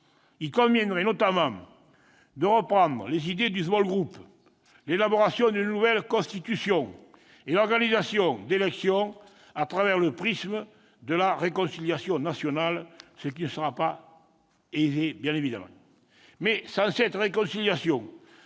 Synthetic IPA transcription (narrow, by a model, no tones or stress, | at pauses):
ilkɔ̃vjɛnʁenɔt̪amɑ̃ŋ | d̪əʁəpχɑ̃nd̪ʁə̰lezid̪ed̪yzmɔlɡʁup | lelaboʁasjɔ̃nd̪ynənuvɛlkɔ̃st̪it̪ysjɔ̃ŋ | elɔʁɡanizasjɔ̃ŋd̪elɛksjɔ̃ŋ | at̪χavɛʁləpʁismə | d̪əlaʁekɔ̃siljasjɔ̃nasjɔnalsək̬inəsəʁapa | ezebjɛ̃nevid̪amɑ̰̃ | mesɑ̃sɛt̪ʁekɔ̃siljasjɔ̃ŋ